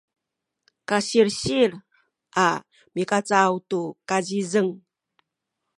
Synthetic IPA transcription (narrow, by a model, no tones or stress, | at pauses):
kaɕiɾɕiɾ | ʔa | mikat͡sawtukazizəŋ